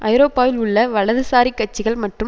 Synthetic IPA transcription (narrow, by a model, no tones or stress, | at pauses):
ʔɐɪɾoːpːaːʋɪlʊɭːɐʋɐɭɐðɯsaːɾikːɐʈ̚t͡ʃːɪɣɐɭmɐʈrɯ